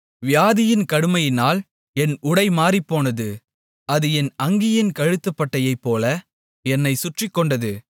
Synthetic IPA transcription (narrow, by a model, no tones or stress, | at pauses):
ʋɪjaːðɪjɪnkɐɽɯmɐjɪnaːl | ɛnʊɽɐɪmaːripːoːnɐðɯ | ɐðɯɛnɐŋɡɪjɪnkɐɻɯt̪ːɐpːɐʈːɐjɐɪpːoːlɐ | ɛnːɐɪsʊʈrɪkːɔɳɖɐðɯ